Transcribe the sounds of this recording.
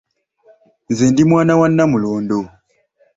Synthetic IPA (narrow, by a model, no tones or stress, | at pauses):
nzeːndimwaːnawanːamuloːndo